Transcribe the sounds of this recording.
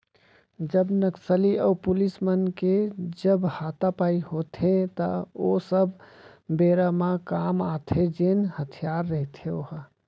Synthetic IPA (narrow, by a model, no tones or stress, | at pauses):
d͡ʒəbnəksəliɔːpulismənked͡ʒəbhat̪apaiɦot̪ʰet̪ə̰osəbbeɾamãkamat̪ʰed͡ʒenhət̪ʰijaɾːəɦit̪ʰeoɦə